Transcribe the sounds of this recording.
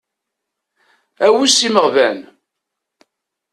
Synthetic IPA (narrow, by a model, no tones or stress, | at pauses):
æwisiməʁvæn